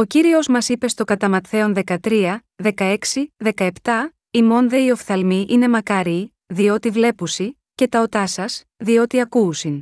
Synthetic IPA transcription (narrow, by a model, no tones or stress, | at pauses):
o̞ciɾio̞zmɐsipe̞st̪o̞ɡɐt̪ɐmɐt̪θe̞o̞nðe̞kɐt̪ɾiɐ | ðe̞kɐe̞ksiðe̞kɐe̞pt̪ɐ | imo̞nðe̞io̞fθɐlmiʔine̞mɐkɐɾi | ðio̞t̪ivle̞pusi | ce̞t̪ɐo̞t̪ɐsɐs | ðio̞t̪iɐkuːsin